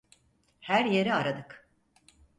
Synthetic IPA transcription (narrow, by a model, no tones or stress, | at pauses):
hæɾje̞ɾiaɾad̪ɯk